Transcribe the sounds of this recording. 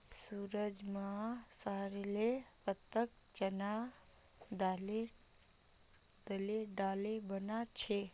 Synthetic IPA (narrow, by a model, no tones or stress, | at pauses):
suɾəd͡ʒmasəɦɾelepət̪ːək̚ | t͡ʃəna | d̪ale | d̪əleɖalebənat͡ʃʰe